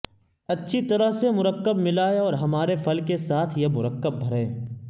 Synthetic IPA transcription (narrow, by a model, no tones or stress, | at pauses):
ɐtːʃʰit̪ɐɾəɦsemʊɾəkːəbmɪlaːeɔːɾɦɐmaːɾefʰɐlkesaːt̪ʰjemʊɾəkːəb̚ːʱɐɾẽː